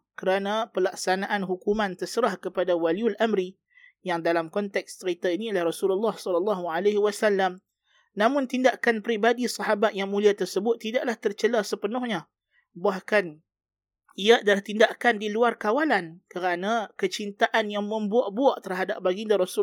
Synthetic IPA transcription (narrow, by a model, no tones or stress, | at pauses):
kəɾanapəlaksanaʔanɦukumant̪ərsəɾahkəpadawaliulʔamɾi | jaŋdalamkɔnt̪ɛk̚st̪əɾit̪ainilahrɔsululːahsɔllːɑɦualeɦiwasalːam | namʊ̃nt̪indaʔkanpəɾibadisɑɦabat̪̚jaŋmuliat̪ərsəbʊt̪ːidaʔlaht̪ərt͡ʃəlasəpənʊhɲa | bahkan | ijaʔdalaht̪indaʔkandiluarkawalankəɾanakət͡ʃint̪aʔanjaŋmə̃mbuaʔbuaʔt̪ərɦadap̚baɡindaɾɔsu